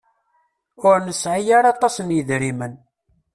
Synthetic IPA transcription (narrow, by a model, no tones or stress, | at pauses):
ʊɾnəsʕijaɾɑt̪ˤɑsnjəðɾimən